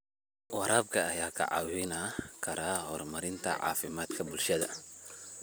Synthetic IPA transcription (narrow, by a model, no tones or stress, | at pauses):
wɑɾʔaːbkʰɐːjaːkʰɐ̰ʕɑ̰ːwɪnakʰɐɾaːhɔːrmɐɾɪnt̪ʰɐ̰ʕɑ̰ːfɪmaːd̪kʰɐbʊlʃɐðɐ